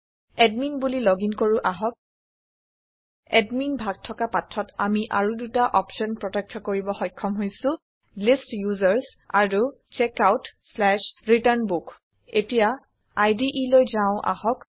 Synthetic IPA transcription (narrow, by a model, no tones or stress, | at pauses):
ɛdminbulilɔɡinkoɹuʔaɦɔk̚ | ɛdminbʱaɡ̚tʰɔkapatʰːɔtamiʔa̰ɹudutaʔɔpʃɔnpɹɔtɛk̚tʰːɔkoɹibɔxɔjkʰːɔmɦojsʊ̃ | listjuzaɹs | aɹu | t͡ʃɛkawtslɛʃɹitaɹnbuk | etija | ajdiʔilojzaʊ̃ʔa̰ɦɔk